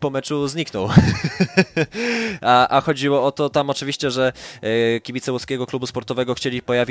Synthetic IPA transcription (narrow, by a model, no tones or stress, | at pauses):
pɔmɛt͡ʂuzɲiknɔw | aʔaxɔd͡ʑiwɔɔt̪ɔt̪amɔt͡ʂɘvʲiɕt͡ɕɛʐɛ | kʲibʲit̪sɛwɔskʲeɡɔklubuspɔɾt̪ɔvɛɡɔxt͡ɕelʲipɔjavʲi